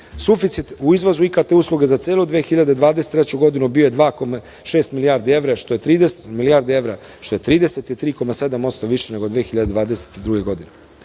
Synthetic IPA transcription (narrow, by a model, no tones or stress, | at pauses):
sufit̪sit̪uizʋozuikat̪euːslˠuɡe̞zat̪seːlˠod̪ʋeːxiʎad̪ed̪ʋaːd̪eset̪ɾet͡ɕuɡo̞d̪inubioje̞d̪ʋaːko̞ma | ʃeːst̪milijaːɾd̪ie̞vɾaʃt̪ojet̪ɾiːd̪eset̪milijaːɾd̪ieʋɾa | ʃt̪o̞jet̪ɾiːd̪e̞set̪ilt̪ɾiːko̞mase̞d̪amo̞t̪st̪o̞ʋiʃeneɡod̪ʋeːxiʎad̪ed̪ʋaːd̪ese̥t̪id̪ɾuːɡeɡo̞d̪ine